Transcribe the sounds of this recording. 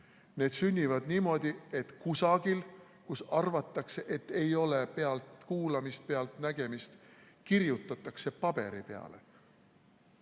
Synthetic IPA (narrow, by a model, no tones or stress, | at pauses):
ne̞ːd̪̥synʲːivɑd̪niːmo̞d̪̥ʲie̞t̪kusɑɡ̥il | kusɑrvɑt̪ːˑɑkse̞ʔe̞t̪ːˑe̞jo̞le̞peɑlt̪kuːlɑmist̪̚pe̞ɑlt̪næɡ̥e̞mist̪ | kirjut̪ːˑɑt̪ːˑɑkse̞pɑb̥e̞ɾipḛɑ̰le̞̰